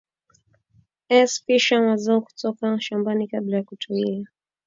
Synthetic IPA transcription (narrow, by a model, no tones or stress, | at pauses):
ɛsfiʃanwazaɔku̥tɔkaʃambanikablajakutʰulia